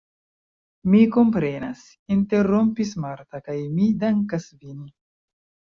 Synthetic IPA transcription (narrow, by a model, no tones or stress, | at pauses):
miko̞mpɾe̞na̰s | inte̞ɾo̞mpismaɾt̪akajmidaŋkasvini